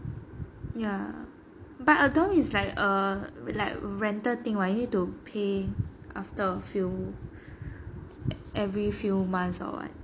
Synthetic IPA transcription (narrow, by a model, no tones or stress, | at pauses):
ja | batədõmislaɪkəlaɪk̚ɹɛ̃ntət̪ĩŋwajunid̚tupʰeʔaftəəfju | ʔɛvɹifjumãnsɔ̰wa̰t̚